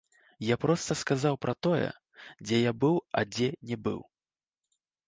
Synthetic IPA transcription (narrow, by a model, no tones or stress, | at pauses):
japɾɔst̪ɐskazawpɾɐt̪ɔjɛ̰ | d͡zʲɛjabɨwɐ̰d͡zʲɛnʲɛbɨ̰w